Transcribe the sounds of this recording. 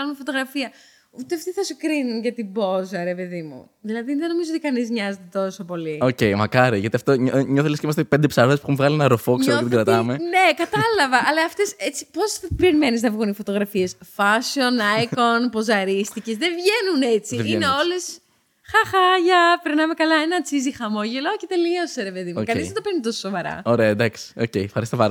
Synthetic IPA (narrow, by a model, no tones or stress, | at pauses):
ɐlumefo̞t̪o̞ɣɾɐfiɐ | ut̪eɐft̪iθɐsukɾinunʝɐt̪ibo̞zɐɾe̞pe̞ðimṵ | ðilɐðiðe̞no̞mizoot̪ikɐnizɲɐze̞t̪e̞t̪o̞so̞po̞lioce̞jmɐkɐɾiʝɐt̪iɐft̪oɲɲoθelesceimɐst̪epend̪epsɐɾoðespuxumvɣɐlienɐɾofokkst̪iɡɾɐt̪ɐmene̞kɐt̪ɐlɐvɐʔɐlɐːft̪e̞set͡sipo̞sɐpeɾime̞niznɐvɣunifo̞t̪o̞ɣɾɐfiesfɐsionɐjkonpo̞zɐɾist̪ice̞zðevʝe̞nune̞t͡siineo̞les | xɐxɐʝɐpeɾnɐme̞kɐlɐenɐt͡sizixɐmo̞ʝelocet̪e̞liɐseɾepe̞ðimukɐniznɐt̪openit̪o̞sosovɐɾɐ̰oɾeɐd̪ɐksi̥ocejfxɐɾist̪oɐɾ